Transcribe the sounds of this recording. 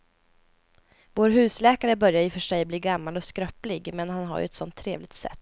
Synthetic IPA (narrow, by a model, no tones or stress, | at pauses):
voːɾɦʉ̟ːslɛːkaɾəbœɾjaɾɪfœʂɛjbliːɡamːalɔskɾœplɪɡmɛnhanɦa̰ɾjɵ̰ɛt̪sɔnt̪ʰːɾḛːvlɪɡ̚t̪sɛ̰t̪ː